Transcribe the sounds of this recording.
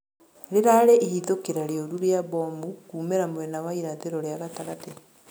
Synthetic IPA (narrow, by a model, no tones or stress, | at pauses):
ɾeɾaɾeʔihiðokeɾaɾeoɾuɾeabɔmukuːmeɾamwɛnawaiɾaðeɾɔɾjaɣataɣate